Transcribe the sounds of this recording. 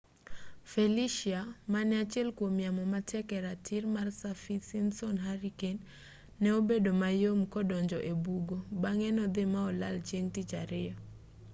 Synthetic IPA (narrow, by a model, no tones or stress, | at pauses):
feliʃiamanɛat͡ʃjɛlkwomjamɔmatʰɛkɛɾatʰɪɾmarsafisinsɔnɦaɾikenː | ɛobedomajomkɔdɔɲd͡ʒɔʔebuɡobaŋɛnɔd̪ɪmaɔla̰lt͡ʃeŋtit͡ʃaɾɪja